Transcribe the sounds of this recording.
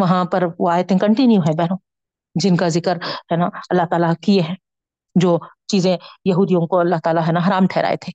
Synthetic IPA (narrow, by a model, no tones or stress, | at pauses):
ʋɐɦãpɐɾʋoaːet̪eɦɛ̃kɐ̃ɳʈɪnjuɦɛ̃bɛːnõː | d͡ʒɪnkazɪkəɾɦɛːnaɐlːaɦt̪aːlakieɦɛ̃ː | d͡ʒoːt͡ʃiːzẽjɐɦuːd̪ijõkoɐlːaɦt̪aːlaɦɛːnaɦɐɾaːmʈʰɛːɾa̰ːḛt̪ʰeː